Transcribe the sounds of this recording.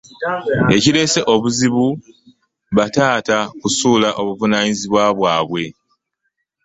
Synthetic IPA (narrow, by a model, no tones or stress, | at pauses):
e̞ciɾe̞se̞ʔo̞βuziβu | βataːtakusuːlaʔo̞βuvunaːɲiziβwaβwaːβwe̞